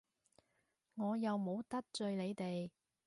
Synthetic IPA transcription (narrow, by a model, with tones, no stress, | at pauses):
ŋɔː˨˧jɐ˨wmo˨˧˥wt̪ɐ˥k̚t͡ʃɵ˧ɥle˨˧jt̪e˨j